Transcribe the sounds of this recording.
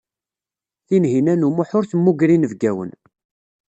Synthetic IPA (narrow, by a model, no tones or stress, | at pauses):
θinɦinænumʊħʊɾθəmːuɡɾinəvɡæwə̰n